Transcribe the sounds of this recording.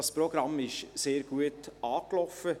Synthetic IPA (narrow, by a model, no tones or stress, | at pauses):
ɑspɾɔɡɾɑmɪʃseːɾɡ̥uətɑːklɔfə